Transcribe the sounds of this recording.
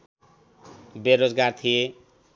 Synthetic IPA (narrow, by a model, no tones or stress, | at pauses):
beɾod͡zɡart̪ʰije